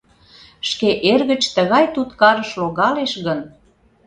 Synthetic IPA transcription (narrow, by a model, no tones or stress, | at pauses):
ʃkeʔerɣət͡ɕt̪əɣɑjt̪ut̪kɑɾəʃloɣɑleʃɣən